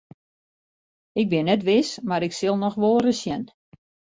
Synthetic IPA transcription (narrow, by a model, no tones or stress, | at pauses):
ɪk̚bɪnːɛt̬ʋɪsmaɾɪksɪlˠnɔxʋolˠrəsjɛn